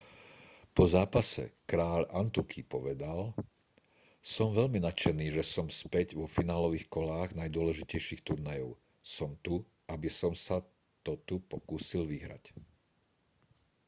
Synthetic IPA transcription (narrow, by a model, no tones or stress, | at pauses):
pɔzaːpasɛ̰kɾaːʎant̪ukʰipɔʋɛd̪al | sɔmʋɛʎminat͡ʃɛniːʒɛsɔmspɛɟʋɔfinaːlɔʋiːxkɔlaːɣnajd̪ʊɔlɛʒicɛjʃiːxt̪uɾnajɔʊ | sɔmt̪u | ʔabisɔmsa | t̪ɔt̪upɔkuːsilʋiɦɾa̰c